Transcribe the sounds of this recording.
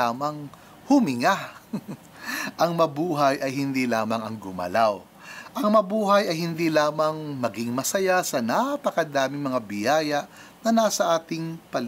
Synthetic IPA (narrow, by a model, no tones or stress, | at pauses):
aːmɐŋ | hʊmɪŋa | ʔɐŋmɐbuːɦɐjʔɐjɦɪnd̪iːlaːmɐŋɐŋɡʊmɐ̰law | ʔɐŋmɐbuːɦɐjɐjhɪnd̪iːlaːmɐŋmɐɡɪŋmɐsɐjasɐnapɐkɐd̪aːmɪŋmɐŋabɪjaːjɐʔ | nɐnaːsɐʔaːt̪ɪŋpɐl